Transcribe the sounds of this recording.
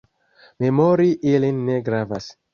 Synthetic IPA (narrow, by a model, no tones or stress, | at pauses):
me̞moɾiʔilinːe̞ɡɾavas